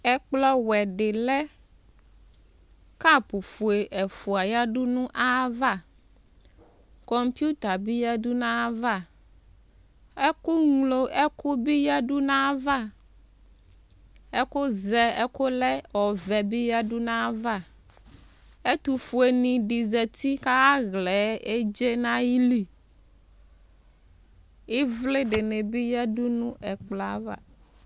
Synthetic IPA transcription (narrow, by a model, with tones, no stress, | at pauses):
ɛ˦k͡plɔ˦wɛ˨ɖɪ˨lɛ˦ | ka˦˨pu˨fu˨e˨ʔɛ˨fu˨a˨ja˦ɖu˦nũ˦ʔa˦va˦˨ | kɔ˨mpu˦t̪a˨bi˦ja˦du˦nã˦va˦˨ | ɛ˦ku˦ŋlo˦ʔɛ˦ku˦bi˦ja˦ɖu˦nã˦va˦˨ | ɛ˦ko˦zɛ˨ɛ˦ko˦lɛ˦wɔ˨vɛ˨bi˦ja˦ɖu˦nã˦va˦˨ | e˦t̪u˨fu˨e˨nĩ˨ɖi˨zɛ˨t̪i˦ka˦a˦ɣlɛ˨˦e˦d͡ʒe˦nã˦ji˦li˦ | i˦vle˦ɖɪ˨ne˨bi˦jɛ˦du˦nũ˦ʔɛ˨k͡pla˨˦va̰˦